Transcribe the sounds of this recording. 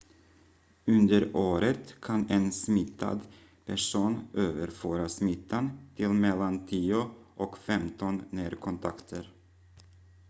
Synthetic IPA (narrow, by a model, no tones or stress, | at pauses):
ɵnd̪əɾoːɾət̪kʰanɛnsmɪt̪ʰːa̰d̪ | pʰæʂuːnʔøːvəɾføːɾasmɪt̪ʰːant̪ʰɪlmɛlːant̪ʰiːʊʔɔkfɛmt̪ɔnːeːɾkʰɔnt̪ʰa̰kt̪ʰəɾ